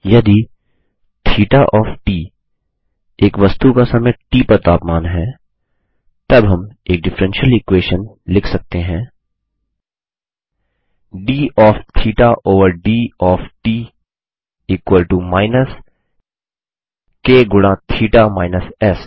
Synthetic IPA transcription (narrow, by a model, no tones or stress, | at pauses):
jɐd̪i | t̪ʰiːʈaʔɔːfʈiː | eːkʋɐst̪ukasɐməjʈiːpɐɾt̪aːpmaːnɦɛ | t̪ɐbɦɐmeːk̚ɖɪfɾɛ̃nʃəlɪkweːʃən | lɪkʰsɐk̚t̪eɦɛ̃ː | ɖiːʔɔːft̪ʰiːʈaʔoːʋəɾɖiːɔːfʈiː | iːkwəlʈumaːɪnəs | keːɡʊɽ̃ãt̪ʰiːʈamaːɪnəsɛs